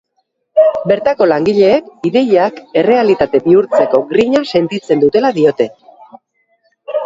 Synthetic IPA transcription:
be̞ɾt̪ako̞laŋɡiʎe̞ːkiðe̞jake̞re̞alit̪at̪e̞biuɾt͡se̞ko̞ɡɾiɲase̞nt̪it͡se̞nd̪ut̪e̞laðio̞t̪e̞

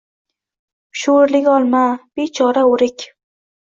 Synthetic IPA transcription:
ʃoɾlɪkʲɒlˠmab̥et͡ʃʰɒɾaʊɾɪkʲ

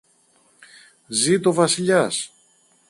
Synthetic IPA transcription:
zit̪o̞vɐsiʎɐs

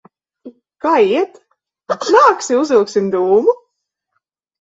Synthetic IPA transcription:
kaːiɛt̪ | naːksiuzilˠksimd̪uːmu

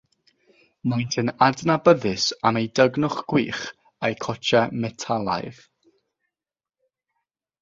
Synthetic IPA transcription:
majntʰənadnabəðɨsamejdəɡnʊχɡ̥wiːχ | ejkʰɔt͡ʃʰɛmɛtʰalˠa̰jð

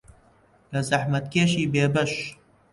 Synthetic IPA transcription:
lɐzɐħmɐt̪̚keːʃiːbeːbɐʃ

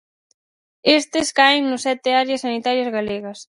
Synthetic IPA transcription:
est̪ɪskaɪŋnʊsɛt̪ɪaɾjɐsːanit̪aɾjɐzɣaleɣɐs

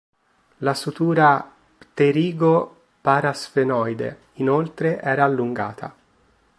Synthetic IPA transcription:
lasut̪uːɾa | t̪eɾiːɡo | paːɾasfenɔjd̪ḛ | inolt̪ɾeʔɛːɾaːlːuŋɡa̰ːt̪ʰa̰

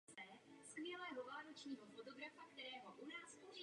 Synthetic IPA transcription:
ɛskʋɪɛlɛːɦɔʋaːɾɔt͡ʃniːɦɔfɔt̪ɔɡɾafakt̪ɛɾɛːɦɔʔunaːsuʒ

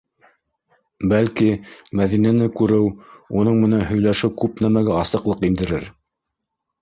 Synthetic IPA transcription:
bælkimæðinænɘkʉɾɘwunɤɴmɘ̆nænɦɵ̆jlæʃɘwkʉpn̪æmæɡæɑsɤ̆qlˠɤqind̪ɘ̆ɾɘɾ

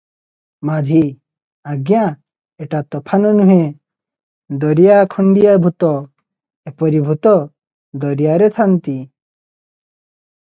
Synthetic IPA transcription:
mad͡ʒʱi | aɡja | eʈat̪ɔpʰanɔnuɦe | d̪ɔɾijakʰɔɳɖijabʱut̪ɔ | epɔɾibʱut̪ɔ | d̪ɔɾijaɾet̪ʰant̪i

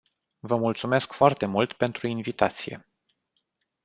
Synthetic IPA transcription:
vəmult̪sume̞skfoart̪e̞mult̪pe̞nt̪ɾuinvit̪at̪sije̞̰

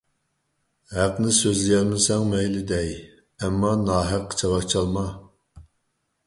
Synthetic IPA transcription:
hæqnɪsøzlɪjɛlmɪsɛŋmɛjlɪd̪ɛj | ɛmːɑnɑːɦæqʰːə̥t͡ʃʰɑvɑkt͡ʃʰɑlˠmɑ

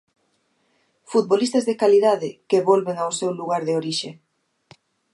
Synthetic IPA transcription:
fut̪̚βolist̪azðekaliðaðɪkeβɔlβeŋawsewluɣaɾðeoɾiʃe

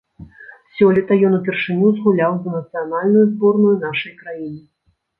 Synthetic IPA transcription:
sʲɔlʲɛt̪ɐjɔnupʲɛrʂɨnʲuzɣulʲawzɐnɐt̪sɨjanalʲnujuzbɔrnujunaʂɐjkɾajinɨ

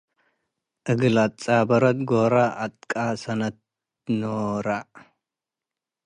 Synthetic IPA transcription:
ʔɨɡlat͡sʼabɐɾɐt̪ɡoɾaʔːt̪ʼkʼasɐnɐt̪̚ | noɾa

